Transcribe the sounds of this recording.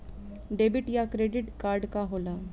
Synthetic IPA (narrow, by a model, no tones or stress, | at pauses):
ɖeːbɪʈjakɾeːɖɪʈkaːɾɖkaɦoːlaː